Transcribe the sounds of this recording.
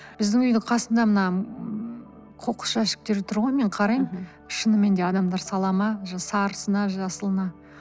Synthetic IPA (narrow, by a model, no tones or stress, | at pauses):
b̥ɪzd̪ɪŋʏjd̪ɪqʰɑsənd̪ɑmənɑ | qʰo̞qə̥sʃæʃɪ̥k̚t̪e̞ɾet̪ʰʊɾʁɑme̞ɴqʰɑɾɑjm | ʃənəme̞nd̪eɑd̪ɑmd̪ɑɾsɑlˠɑmɑʒɑsɑɾəsənɑʒɑsəlˠənɑ